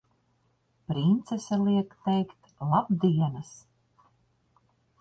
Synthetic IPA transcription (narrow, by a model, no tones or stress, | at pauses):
pɾint̪sɛsʲalˠiɛkt̪ɛjkt̪ | lˠabd̪iɛnas